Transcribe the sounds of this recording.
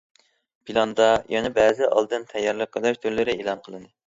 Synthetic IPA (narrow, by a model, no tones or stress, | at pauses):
pʰilˠɑnd̪ɑjɑnɪbɛːzɪʔɑ̰lˠd̪ɨnt̪ʰɛjːɑɾlˠəp̚qʰəlˠɑʃt̪ʰøɾlɪɾɪelˠɑnqʰəlˠɨnɨ